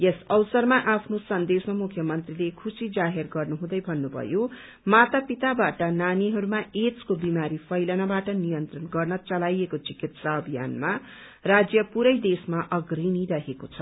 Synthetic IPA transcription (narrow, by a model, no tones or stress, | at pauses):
jesʌwsʌrmaʔapʰnosʌnd̪esmamukʰːjʌmʌnt̪rilekʰusid͡zaɦerɡʌrnuɦũd̪ʌjbʱʌnːubʱʌ̰jo | mat̪apit̪abaʈʌnaniɦʌɾumaet͡skobimaɾipʰʌjlʌnabaʈʌnijʌnt̪rʌnɡʌrnʌt͡sʌlajekot͡sikit̪saʌbʱija̰nma | rad͡zjʌpuɾʌjd̪esmaʔʌɡriniɾʌɦekot͡sʰʌ